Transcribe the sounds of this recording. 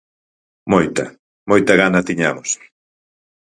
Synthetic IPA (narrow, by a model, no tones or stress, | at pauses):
mojt̪ɐ̰ | mojt̪ɐɣanɐt̪iɲamos